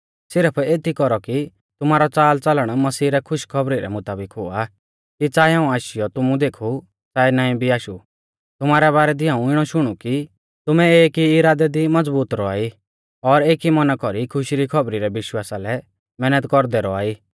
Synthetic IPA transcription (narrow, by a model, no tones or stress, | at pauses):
sɪɾpʰeːt̪ʰikɔɾɔki | t̪ʊmaːɾɔt͡saːlt͡sɐləɽ̃mɐsiːɾɛkʰʊʃkʰɔbɾiɾɛ̰mʊt̪aːbɪkɦʊa | kit͡saːiɦãːũaːʃɪjɔt̪ʊmũd̪eːkʰu | t͡saːinaːĩbʱiaːʃu | t̪ʊmaːɾɛβaːɾɛd̪ɪãːũɪɽ̃ɔʃʊɽ̃uki | t̪ʊmɛeːkiɪɾaːd̪ɛd̪imɐd͡zbuːt̪ɾɔa̰ːi | ɔɾeːkimɐnakɔɾikʰʊʃiɾikʰɔbɾiɾɛʋɪʃwaːsalɛ | mɛːnət̪kɔɾd̪ɛɾɔa̰ːiː